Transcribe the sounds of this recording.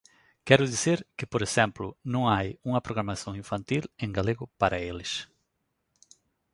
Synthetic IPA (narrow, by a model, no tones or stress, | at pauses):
kɛɾʊðiseɾkɪpoɾesɛ̃mplʊnõŋajuŋɐpɾoɣɾamasõŋĩɱfãnt̪ilẽŋɡaleɣʊpaɾɐelɪs